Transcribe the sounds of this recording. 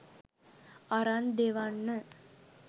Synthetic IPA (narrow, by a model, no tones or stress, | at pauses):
aɾand̪eʋanːə